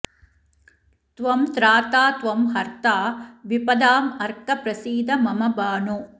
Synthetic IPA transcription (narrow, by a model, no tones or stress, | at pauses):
t̪ʋɐmt̪ɾaːt̪aːt̪ʋɐmɦɐɾt̪aːʋipɐd̪aːmɐɾkɐpɾɐsiːd̪ɐmɐmɐbaːɳu